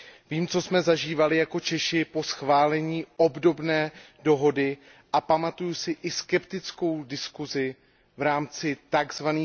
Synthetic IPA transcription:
viːmt͡so̞smɛzaʒiːvalɪjako̞t͡ʃɛʃɪpo̞sxvaːlɛɲiːʔo̞bdo̞bnɛː | do̞ɦo̞dɪ | ʔapamat̪ujʊsɪʔɪskɛpt̪ɪt͡sko̞wdɪskuzɪ | vɾaːmt͡sɪt̪aɡzvaniː

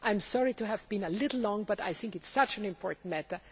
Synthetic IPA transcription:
ʔãɪ̃msɔɹituævbĩnəlɪɾl̩ˠlɔ̃ŋbʌta̰jθɪ̃ŋkɨtsʌt͡ʃɨ̃nɪ̃mpʰɔɹtn̩mætə˞

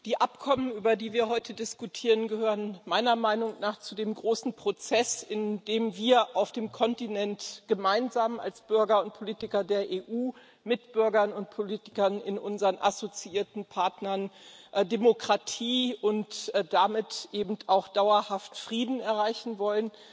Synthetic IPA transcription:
d̥iːʔapkʰɔmənyːbɐdiːviːɐhɦɔʏtʰədɪskutʰiːʁənɡəhøːʁənmaɪnɐmaɪnʊŋnaːχt͡sudeːmɡʁoːsn̩pʁ̥ot͡sɛsɪndeːmviːɐʔaʊfd̥eːmkʰɔntinɛntɡ̥əmaɪnzaːma̰lsb̥ʏɐɡɐʊnt̚pʰoliːtɪkɐdeːɐʔeːʔuː | mɪtb̥ʏɐɡɐnʊnt̚pʰoliːtɪ̥kɐnɪ̰nʔʊnzəʁənʔa̰zot͡siʔiːɐtn̩pʰaɐtnɐndemokʁ̥atʰiːʊntd̥amɪtʔeːbm̩tʰaʊxd̥aʊɐhaftfʁ̥iːdn̩ɛɐʁaɪçn̩vɔlən

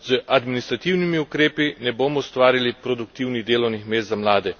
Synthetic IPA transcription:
z̥əʔad̪minist̪ɾat̪iwnimiukɾeːpinɛboːmɔust̪ʋaːɾilipɾɔd̪uk̚t̪iːwnid̪eːlɔwnixmeːst̪zamlaːd̪ɛ

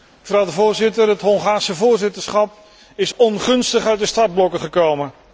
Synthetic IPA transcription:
vrɑwdəvʊːɹzɪtərətɦɔŋχaːrsəvʊːɹzɪtəɹsχɑp | ɪsɔnχɵnstəχœɥtdəstɑrd̚blɔkəχəkowmə

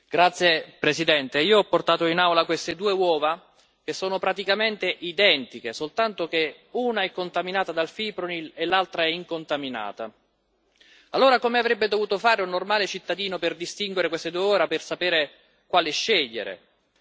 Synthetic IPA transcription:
ɡ̥ɾat̪sːjepɾesid̪ɛnt̪eiːoɔpːort̪aːt̪oinawlakwest̪ed̪uːewɔːva | k̟esːoːnopɾat̪ikament̪eʔid̪ɛnt̪ik̟esolt̪ant̪ok̟e | uːnaɛkːont̪aminaːt̪ad̪alfipɾonilelːalt̪ɾaɛiŋkont̪amina̰ːt̪a̰ | alːoːɾakomeavɾɛbːed̪ovuːt̪ofaːɾeunːormaːlet͡ʃit̪ːad̪iːnoperd̪ist̪iŋɡweɾekwest̪ed̪uːeɔːɾapersapɛːɾe | kwaːlɪʃːeʎːḛɾḛ

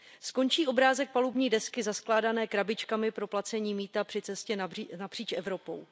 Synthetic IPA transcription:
sko̞nt͡ʃiːʔo̞bɾaːzɛk̚palubɲiːdɛskɪzasklaːdanɛːkɾabɪt͡ʃkamɪpɾo̞plat͡sɛɲiːmiːt̪apr̥ɪt͡sɛscɛnapr̥iːt͡ʃʔɛvɾo̞po̞w

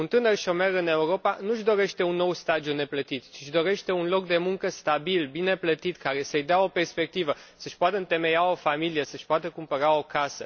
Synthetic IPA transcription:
unt̪ɨnərʃio̞me̞ɾɨne̞uɾo̞panuʃd̪o̞ɾe̞ʃt̪e̞unːo̞wst̪ad̪iune̞plət̪it̪t͡ʃiʃd̪o̞ɾe̞ʃt̪e̞unlo̞k̚d̪e̞muŋkəst̪abilbine̞plət̪it̪kaɾe̞səjd̪eao̞pe̞rspe̞k̚t̪ivəsəʃpoat̪əɨnt̪e̞me̞jao̞familije̞səʃʲpoat̪əkumpəɾao̞kasə

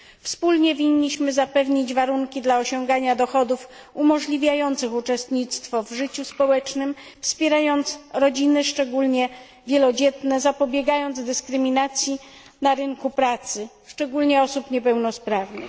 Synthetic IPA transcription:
fspulɲɛvʲiɲːiɕmɘzapɛvɲid͡ʑvaɾuŋkʲid̪laɔɕɔŋɡaɲad̪ɔxɔd̪uf | umɔʐlʲivʲjajɔnt̪sɘxut͡ʂɛst̪ɲit̪st̪fɔvʐɘt͡ɕuspɔwɛt͡ʂnɘm | fspʲjɛɾajɔnt̪sɾɔd͡ʑinɘʂt͡ʂɛɡulɲɛ | vʲjɛlɔd͡ʑɛt̪nɛzapɔbʲjɛɡajɔnd̪zd̪ɘskɾɘmʲinat̪sʲji | naɾɘŋkupɾat̪sɘ | ʂt͡ʂɛɡulɲɛɔsupɲɛpɛwnɔspɾavnɘ̰x

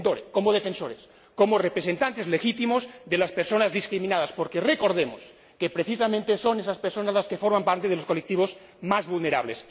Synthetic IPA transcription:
t̪oɾeko̞moðefensoɾes | komorepɾesent̪ant̪ezlexit̪imozðelaspeɾso̞nazðiskɾimĩnaðaspoɾkereko̞ɾð̞emos | kepɾeθisamẽnt̪eso̞nesaspeɾso̞nazlaskefoɾmampaɾt̪e̞ð̞elosko̞lek̚t̪iβo̞z | mazβulneɾa̰βlḛs

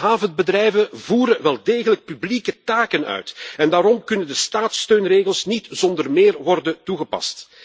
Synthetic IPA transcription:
ɦaːvənbədrɛjvəvuːɾənʋɛlˠdeːɣələk̚pyblikətaːkənœ̰ɥtɛndaːɾɔmkɵnəndəstaːtstøːnreːɣəlˠsnitz̥ɔndərmeːrʋɔrdəntuɣəpɑ̰st

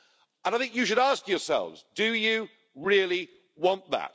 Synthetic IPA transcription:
ə̃naɪθɪ̃ŋkjɨʃɨɾɑˑskjə˞sɛ̰lˠvzdɨjɨ | ɹɪəlˠi | wɑ̃nðə̰t̚

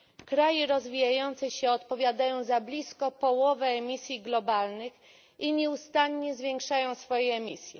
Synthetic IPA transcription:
kɾajɛɾɔzvʲijajɔnt̪sɛɕɛɔt̪pɔvʲjad̪ajɔ̃w̃zablʲiskɔpɔwɔvɛːmʲisʲjiɡlɔbalnɘx | iɲɛust̪aɲɲɛzvʲjɛŋkʂajɔ̃w̃sfɔjɛːmʲisʲjɛ̰

